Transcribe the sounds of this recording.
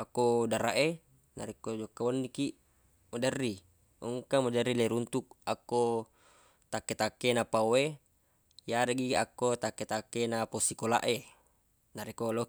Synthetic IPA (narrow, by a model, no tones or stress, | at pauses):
akːodaɾaʔe | naɾikːod͡ʒokːaonːikiʔ | madarːi | uŋkamad͡ʒarːileɾunt̪uk̚akːo | t̪akːet̪akːenapawe | jaɾeɡiʔakːot̪akːet̪akːenaposikola̰ʔe | naɾikolo